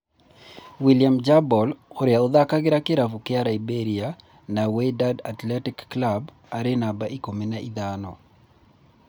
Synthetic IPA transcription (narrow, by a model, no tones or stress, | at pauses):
wiliamd͡ʒabɔloɾɪaod̪akaɡɪɾakɪɾavukɪaɾaibeɾia | nawedadatlɛtikːlab | aɾenabaʔikomenaid̪anɔ̰